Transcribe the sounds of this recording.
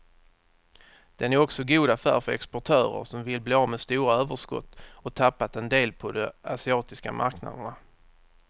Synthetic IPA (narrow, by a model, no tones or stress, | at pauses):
d̪̥ɛnæɾɔksɔɡuːd̪afæ̰ːɾfœɾɛ̰kspɔʈʰœːɾə̰ɾʂɔmvɪlbleːɑːvmɛd̪st̪uːɾaøːvəʂkɔ̰t̪ːɔt̪ʰapːat̪ɛnd̪eːlpʰɔd̪ɔasɪɑːt̪ɪska̰mʔa̰ɾkna̰d̪əɳa